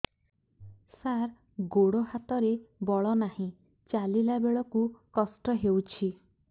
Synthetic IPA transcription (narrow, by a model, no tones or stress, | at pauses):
saɾ | ɡoɽohat̪ɔɾebɔɭɔnahĩ | t͡ʃalilabeɭɔkukɔsʈɔɦewt͡ʃʰi